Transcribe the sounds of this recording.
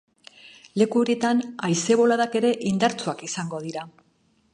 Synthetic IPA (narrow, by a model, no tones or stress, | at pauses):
le̞kuo̞ɾie̞t̪anajse̞βo̞laðake̞ɾe̞ʔind̪aɾt͡suakisaŋɡo̞ð̞iɾa